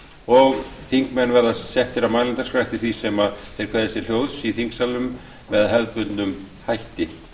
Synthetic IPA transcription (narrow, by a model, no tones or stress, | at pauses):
ɔɣθiŋkmɛnːvɛɾðasɛht̪ɪɾamajnɪnt̪askɾajht̪ɪ̥θvisɛmaθeɾ̥kʰvɛːðɪsjɛɾ̥l̥joːwðsiθiŋksalʏm | vɛðaðɦɛlpʏt̪nʏm | hajht̪ɪ